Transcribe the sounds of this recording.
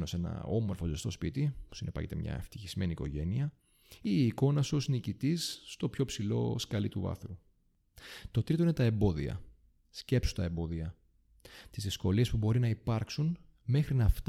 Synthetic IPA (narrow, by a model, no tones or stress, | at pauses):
no̞se̞nɐ̰o̞mo̞ɾfo̞zest̪o̞spit̪ipu̥sinepɐ̰cet̪emɲɐ̰ḛft̪içizme̞niːko̞̰ʝe̞niɐ | iːko̞nɐso̞snicit̪isːt̪o̞pço̞psilo̞̰skɐlit̪uvɐ̰θu | t̪o̞t̪ɾit̪o̞ine̞t̪ɐe̞mbo̞ðḭɐ̰ | sce̞psu̥t̪ɐe̞mbo̞ðiɐ | t̪izðisko̞lie̞spubo̞ɾinɐipɐɾksun | me̞xɾinɐft̪